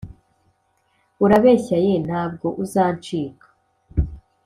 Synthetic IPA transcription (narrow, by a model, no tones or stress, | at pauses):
uɾaβe̞ːçajen̥haːb̚ɡo̞ʔuzaːnt͡ʃiːkḁ